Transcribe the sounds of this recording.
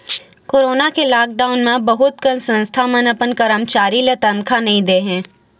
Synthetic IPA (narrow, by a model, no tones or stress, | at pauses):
koːɾoːnakelaːk̚ɖaːʊnmẽbɐɦʊt̪kənsə̃nst̪ʰamənəpənkəɾəmt͡ʃaːɾilet̪ə̃nkʰanɐɦĩd̪eːɦɛ̃ː